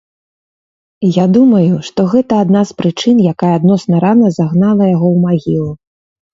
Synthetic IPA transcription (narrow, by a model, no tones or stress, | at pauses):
jad̪umɐjuʂt̪ɔɣɛt̪ɐːd̪naspɾɨt͡ʂɨnjakajɐad̪nɔsnɐɾanɐzaɣnalˠɐjaɣɔwmaɣʲilˠu